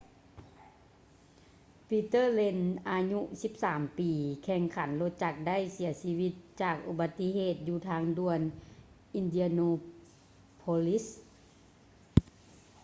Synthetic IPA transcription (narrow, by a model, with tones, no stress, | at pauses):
piː˧t̪ɤː˥˨le˧˥nʔaː˧ɲu˧si˧p̚saː˩˦mpiː˨kʰɛː˧˩ŋkʰa˩˦nlo˧t̪̚t͡ɕa˧˩k̚da˥˩˨jsi˨˩˦ɐsiː˧wi˧t̪̚t͡ɕaː˨˩k̚ʔu˧ba˧t̪ːi˧˥ɦeː˧˩t̪̚juː˧˩t̪ʰaː˧˥ŋdu˧˩ən | ʔi˧ndi˧a˧noː˧ | pʰo˧li˧˦˥s